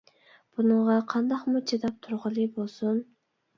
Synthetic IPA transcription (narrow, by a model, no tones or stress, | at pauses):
b̥unəɴʁɑqʰɑnd̪ɑqmut͡ʃʰed̪ɑp̚t̪ʰuɾʁəlˠɨbolˠsun